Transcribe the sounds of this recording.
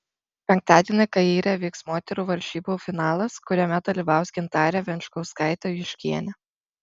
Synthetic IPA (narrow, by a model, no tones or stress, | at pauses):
pʲɛŋk̚t̪ɑːd̪ʲiɛnʲɐɪkɐiːɾʲɛʋʲiːksmoːt̪ʲɛɾuːʋɐɾʲʃʲiːboːfʲɪnɑːlˠɐskʊɾʲɛmʲɛd̪ɐlʲiːʋɑˑʊsɡʲɪnt̪ɑːɾʲɛʋʲɛnʲt͡ʃkɐʊskɑˑɪt̪ʲoːjʲɪʃʲkʲiɛnʲɛ